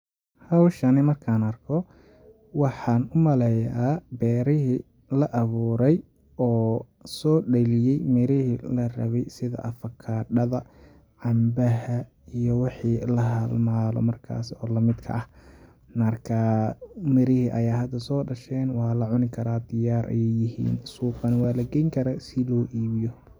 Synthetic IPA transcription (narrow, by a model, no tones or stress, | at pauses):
hɐwʃɐnɪmɐrkʰaːnɐrkʰɔ | wɑħɑːnʊmɐlɛjabɛːɾɪɦi | lɐʔɐβuːɾɛj | ɔː | sɔːɖɐlɪjɛjmɪɾɪhilɐrɐ̰βɛjsɪðɐ̰ʔɐfɐkʰaːɖɐðɐ | ʕɑmbɐɦɐ | ijɔwɑħiːlɐɦɐlmaːlɔ̰mɐrkʰa̰ːsɔːlɐmɪd̪kʰɐ̰ʔɐh | nɐrkʰamɪɾɪhiʔɐjaːɦɐd̪ɐsɔːɖɐʃɛːnwɑːlɐʕʊnɪkʰɐɾaːd̪ɪjaːɾʔɐ̰jɛjjɪɦḭːnsuːqɑnɪwɑːlɐɡɛjŋkʰɐɾasɪlɔːʔiːβɪjɔ